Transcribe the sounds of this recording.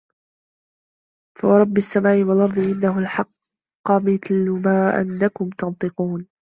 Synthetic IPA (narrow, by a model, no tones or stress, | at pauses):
fawɑɾˤɑbːɪsːamaːʔɪwalʔɑɾˤd̪ˤɨʔɪnːaɦʊlħɑqː | ɑmɪθlʊmaːʔa̰nːakʊmt̪ɑnt̪ˤɨquːn